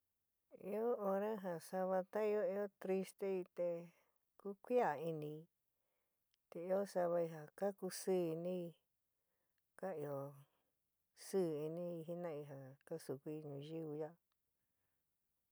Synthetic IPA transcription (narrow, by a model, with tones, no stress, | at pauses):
ḭ˧o˦o˧ɾã˦ɦã˨sa˧βa˧t̪a˦i˧o˦i˧˦o˦t̪ɾi˦st̪e˦i˧t̪e˧ | ku˦kʷi˦a˨i˧nĩ˧i˧ | t̪e˧i˧˦o˦sa˧βa˧i˧ɦa˨ka˦ku˧sɨː˦˨i˧nĩ˦i˧ | ka˦i˧o˨ | sɨː˦˨i˧nĩ˦i˧ɦi˦nã˦i˧ɦã˨ka˦su˨kʷi˦i˧ɲũ˧ʒi˦βɨ˧ja˦